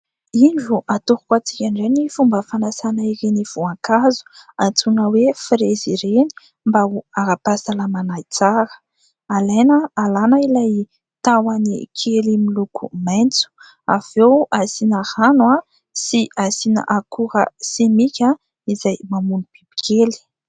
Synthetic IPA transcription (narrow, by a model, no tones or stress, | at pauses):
iɳɖ͡ʐuʔat̪uɾukat͡si̥kʲaɳɖ͡ʐajnifumbəfanasanaiɾiniv̥uaŋkazu̥ant͡sunəwefiɾeziɾeni̥ | mbauaɾapasalamanajt͡saɾə̥ | alejnəːlanailaj | t̪awanikʰelimilukʰṵmajnt͡su̥ | a̰v̥ewasinahanwa | siʔasina̰ʔakuɾə̰semikʲa | izajmamunub̥ibi̥kʲʰeli̥